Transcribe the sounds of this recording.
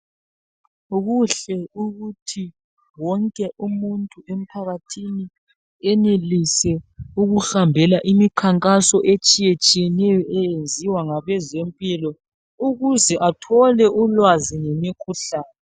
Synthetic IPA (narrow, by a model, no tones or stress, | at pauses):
uɣuɬɛuɣutʰi | wɔŋkʼɛʔumuntʼuem̩pʰaɣatʰini | ɛnelisɛuɣuɬambʱɛlaʔimikʰaŋkʼasɔʔet͡ʃʼijet͡ʃʼijɛnɛjɔɛjend͡zʱiwaŋaβɛzempʼilɔ | uɣuzɛʔatʰɔlɛʔulwaziŋemikʰuɬaːnɛ